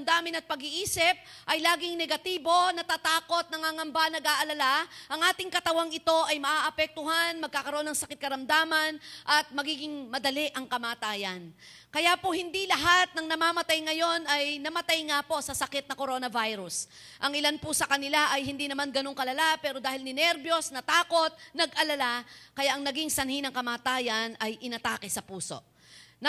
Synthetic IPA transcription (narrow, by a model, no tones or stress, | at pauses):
md̪aːmɪnɐt̪̚pɐɡɪʔiːsɪp̚ | ʔɐjlaːɡɪŋnɛɡɐt̪iːbo̞nɐt̪at̪aːko̞t̪̚nɐŋhaŋɐmbanɐɡaʔɐlɐlaʔɐŋʔaːt̪ɪŋkɐt̪ɐwaŋɪt̪o̞ʔɐjmɐʔaːʔɐpɛk̚t̪ʊɦanmɐɡ̚kaːkɐɾoʔo̞nːɐŋsɐkɪt̪̚kɐɾɐmd̪aːmɐnʔɐt̪̚mɐɡiːɡɪŋmɐd̪ɐlɪʔɐŋkɐmaːt̪aːjɐn | kɐjapohɪnd̪ilɐɦat̪̚nɐŋnɐmaːmɐt̪ajŋɐjo̞nɐjnɐmɐt̪ajŋapo̞sɐsɐkɛt̪̚nɐko̞ɾo̞nɐvajɾʊs | ʔɐŋɪlanpʊsɐkɐnɪlaʔɐjhɪnd̪inɐmanɡɐno̞ŋkɐlɐlapɛːɾo̞d̪aːhɪlnɪnɛɾbjo̞snɐt̪aːko̞t̪̚nɐɡʔɐlɐlakɐjaʔɐŋnɐɡɪŋsɐnhinɐŋkɐmaːt̪aːjɐnɐjʔɪnɐt̪aːkɛsɐpuːso̞̰ʔ | nɐ